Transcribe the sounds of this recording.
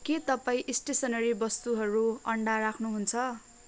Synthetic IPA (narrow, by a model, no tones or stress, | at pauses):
ket̪ʌpaĩʔisʈesʌnʌɾibʌst̪uɦʌɾuʌɳɖaɾakʰnuɦunt͡sʰʌ